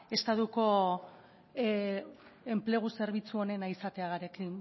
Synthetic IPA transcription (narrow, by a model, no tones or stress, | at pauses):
e̞st̪at̪uko̞ | e̞mple̞ɣ̞use̞ɾβ̞it͡suo̞ne̞naisat̪e̞aɣaɾe̞ki